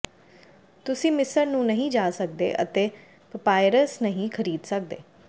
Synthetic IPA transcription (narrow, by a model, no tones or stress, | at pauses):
t̪ʊsĩːmɪsəɾnũːnəɦĩːd͡ʒaːsək̚d̪ḛːʔə̰t̪eː | pəpaːɪɾəsnəɦĩːkʰəɾiːd̪sək̚d̪eː